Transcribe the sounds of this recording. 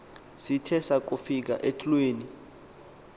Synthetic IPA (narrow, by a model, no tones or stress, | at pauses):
sitʰɛsak̬ufik̬a̰ʔetʰʼulweːni